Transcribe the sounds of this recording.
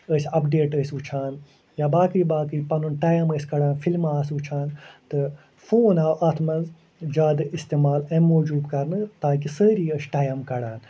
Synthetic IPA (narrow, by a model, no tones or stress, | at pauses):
əsʲɐpɖeːʈəːsʲut͡ʃʰaːn | jaːbaːkɾibaːkɨɾiːpɐnunʈaːjɐməːsʲkɐɽãːnfilmaːsut͡ʃʰaːnt̪ɨ | foːnaːwʔɐːt̪ʰmɐnz | d͡ʒaːd̪ɨist̪eːmaːlɐmːoːd͡ʒuːb̪kɐɾnɨt̪aːkisəːɾiːəsʈaːjɐmkɐɽaːn